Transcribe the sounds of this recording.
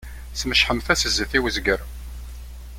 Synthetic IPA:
sməʃħəmθæsəzːəθiwəzɡəɾ

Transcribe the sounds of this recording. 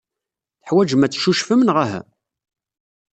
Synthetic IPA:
θə̥ħwæd͡ʒəmæt͡sːʃuʃfəmənʁæɦæ̰

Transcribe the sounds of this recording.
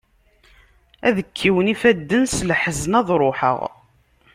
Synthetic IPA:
æðəkʰːiwənifæd̪ːənsləħəznæðˤɾˤoħə̰ʁ

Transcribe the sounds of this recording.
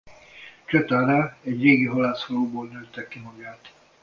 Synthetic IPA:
t͡ʃøt̪aːɾaɛɟreːɡiɦɔlaːsfɒloːboːlnøːt̪ːɛkːimɒɡaːt̪

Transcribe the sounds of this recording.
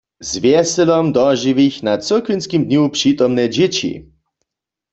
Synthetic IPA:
zvjɛsɛlɔmd̪ɔʒiwixnat͡s̪əkvinskimd̪ɲupʂit̪ɔmnɛd͡ʑet͡ɕḭ

